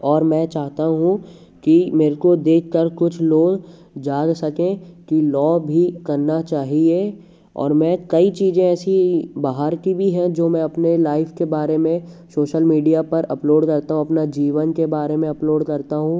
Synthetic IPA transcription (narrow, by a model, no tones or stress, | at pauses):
ɔːɾmɛ̃ːt͡ʃaːɦt̪aɦũ | kimeːɾkod̪eːkʰkːəɾkʊt͡ʃʰloːɡ | d͡ʒaːd͡ʒsɐkẽkilɔːbʱikɐɾnat͡ʃaːɦie | ɔ̰ːɾmɛ̃ːkɐit͡ʃiːzẽɛːsibaːɦəɾkibʱiɦɛ̃d͡ʒoːmɛ̃ɐpnelaːɪfkebaːɾemẽ | soːʃəlmiːɖijapɐɾɐploːɖkɐɾt̪aɦũɐpnad͡ʒiːʋənkebaːɾemẽɐploːɖkɐɾt̪aɦũ